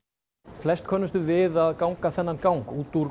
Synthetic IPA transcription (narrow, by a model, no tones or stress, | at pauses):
flɛst̪̚kʰɔːnːʏst̪ʏvɪðaðkawŋkaθɛnːankawŋkuːt̪uɾ